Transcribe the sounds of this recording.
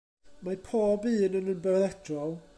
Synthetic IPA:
majpʰɔːbiːnənənbɛðɛtʰrɔlˠ

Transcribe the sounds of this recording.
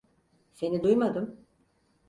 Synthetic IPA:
se̞nid̪ujmad̪ɯm

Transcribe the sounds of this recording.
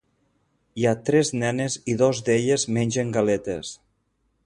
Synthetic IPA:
iat̪ɾɛznɛneziðɔzd̪eʎezmenʲʒeŋɡalet̪ḛs

